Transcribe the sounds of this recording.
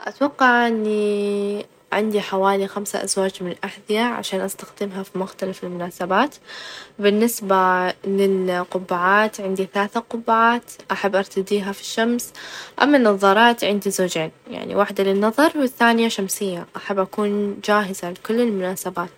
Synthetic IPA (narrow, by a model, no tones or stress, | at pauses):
ʔa̰t̪wɑqːɑʕʔɪnːi | ʕɪ̰nd̪iħawaːlixamsa̰ʔa̰zwaːd͡ʒmɪnɪlʔaħðɪjaʕa̰ʃaːnʔast̪axd̪ɪmɦafimʊxt̪alafɪlmʊnaːsabaːt̪bɪnːɪsbalɪlqʊbːaʕaːt̪ʕɪnd̪iθalaːθaqʊbːaʕaːt̪ʔaħabːʔɑɾˤt̪ad̪iːɦafi̥ʃːamsʔa̰mːanːɑðˤɑːɾˤɑːt̪ʕɪnd̪izoːd͡ʒeːnja̰ʕnḭwaħd̪alɪnːɑðˤɑɾˤwɪθːaːnɪjaʃamsɪjːaʔaħabːʔakuːnd͡ʒaːɦɪzalɪkʊlːɪlmʊnaːsabaːt̪